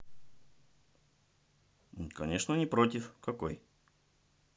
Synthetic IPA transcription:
kɐnʲeʂnənʲɪpɾotʲɪfkɐko̰j

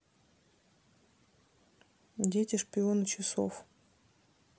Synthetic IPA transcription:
dʲetʲɪʂpʲɪonɨt͡ɕɪso̰f

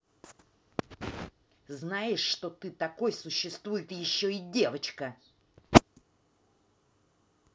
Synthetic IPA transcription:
znajɪʂːt̪ot̪ɨt̪ɐko̞jsʊɕːɪst̪vujɪt̪jɪɕːo̞ɪdʲe̞vət͡ɕkə

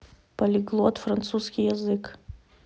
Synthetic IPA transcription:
pɐlʲɪɡlˠot̪frɐnt̪suskʲijɛzɨk

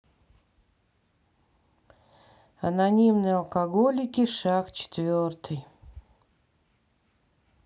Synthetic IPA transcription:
ɐnɐnʲimnɨjɐlˠkɐɡolʲɪkʲɪʂakt͡ɕɪ̥t̪vʲort̪ɨj

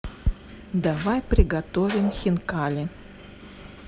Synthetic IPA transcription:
d̪avajpɾʲɪɡat̪ovʲɪmxʲɪnkalʲɪ

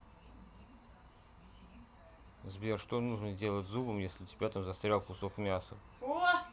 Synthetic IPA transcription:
zbʲerʂt̪onuʐnəzʲdʲe̞lˠətʲzubəmjesʲlʲɪtʲɪbʲat̪amzɐst̪ɾʲalˠkʊsokmʲasə

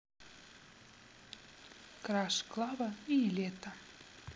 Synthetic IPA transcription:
kɾɑʃklˠɑβəilʲet̪ə

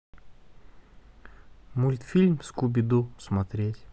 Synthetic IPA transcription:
mulʲt̪fʲilʲmskubʲɪd̪usmɐt̪ɾʲetʲ

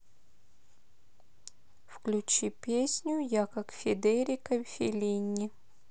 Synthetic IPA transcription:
fklʲʉt͡ɕipʲesʲnʲʊjakakfʲɪd̪eɾʲɪkəfʲɪlʲinʲːɪ

